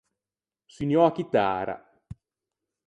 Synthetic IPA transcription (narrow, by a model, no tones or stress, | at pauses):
sinjɔakit̪a̰ːɾa̰